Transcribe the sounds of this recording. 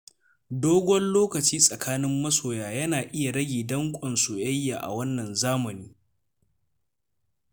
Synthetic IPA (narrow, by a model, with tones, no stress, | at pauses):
doː˦ɡʷɔ˦nloː˦kɐ˨t͡ʃiː˦sʼɐ˨kʰaː˦nɪ˦mːɐ˦soː˨jaː˨jɐ˦naː˨ʔɪ˦ja˨ɽɐ˦ɡʲeː˨dɐ˦ŋkʷʼɐ˨nsu˨jɐ˦jːaː˨ʔa̰˨wɐ˦nːɐ˨nzaː˦mɐ˨niː˦